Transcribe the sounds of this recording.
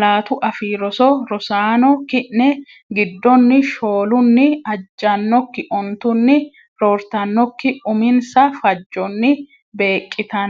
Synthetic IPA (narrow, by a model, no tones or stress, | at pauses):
laːt̪ʊʔɐfiːɾɔsɔɾɔsaːnɔkɪʔnɛ | ɡɪd̪ːɔnːɪʃo̞ːlʊnːɪɐd͡ʒːɐnːɔkːɪʔɔnt̪ʊnːɪ | ɾɔːɾt̪ɐnːɔkːɪʊmɪnsɐfɐd͡ʒːɔnːɪ | be̞ːkʼːɪt̪ɐn